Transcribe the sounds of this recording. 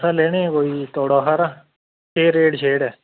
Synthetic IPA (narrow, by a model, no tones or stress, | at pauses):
saleːɽ̃ẽkoːit̪oːɽaːɦaɾa | keːɾeːɖʃeːɽɛː